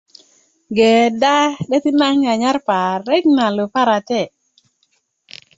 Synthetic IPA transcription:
ɡɛ˨da˦ɗɛ˦t̪i˦na˦ŋa˨ɲa˦rpa˨rːɛ˦kna˨lʊ˨pa˦ɾa˨tɛ˦˨

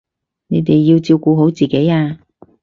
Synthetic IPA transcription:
ne˨˧jt̪e˨jːiː˧wt͡siː˧wkuː˧ɦo˨˥wt͡siː˨ke˨˥jaː˧

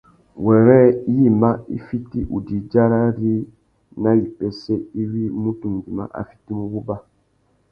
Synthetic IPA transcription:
wɛ˨ɾɛ˦ji˦˨ma˦ḭ˦fi˦ti˦ʔṵ˨di˨d͡ʒa˦ɾa˦ɾi˦ | na˦ji˨pɛ˦sɛ˦i˦wi˦mu˦tu˨m˨di˨ma̰˦ʔa̰˨fi˦ti˦mu˦bu˦ba˦

